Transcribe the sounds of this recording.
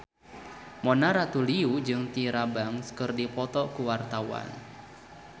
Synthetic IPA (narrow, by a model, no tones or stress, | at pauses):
mɔnaɾat̪uliud͡ʒɨŋt̪iɾabaŋskɨrdipɔt̪ɔkuwart̪awa̰n